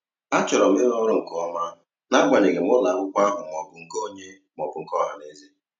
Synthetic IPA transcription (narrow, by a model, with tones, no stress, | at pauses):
a˦t͡ʃɔ˨ɾɔ˨m̩˦ɪ˦ɾɔ˦ɾʊ˦˨ŋ̩˨kɔ˦ma˦ | na˦ɡʷa˨ɲe˨ɡe˨m˦ʊ˦la˨ŋʊ˦kʷa˦ɦʊ˨m˨ɔ˨bʊ˨ŋ̩˦ko˦ɲe˦ | m˨ɔ˨bʊ˨˦ŋ̩˦kɔ˦ɦa̰˨ne˦zi˦